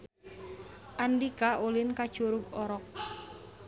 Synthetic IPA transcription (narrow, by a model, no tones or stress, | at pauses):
ʔandikaʔolɪnkad̥ʒ̥uɾʊɡɔɾɔk̚